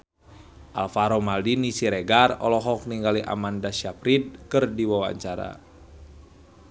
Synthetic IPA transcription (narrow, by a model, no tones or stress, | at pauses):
ʔa̰lfaɾɔmaldinisiɾɛɡarɔlɔɦɔk̚niŋɡaliʔa̰mandaʃapɾit̪̚kɨrdiwawa̰ɲt͡ʃaɾa̰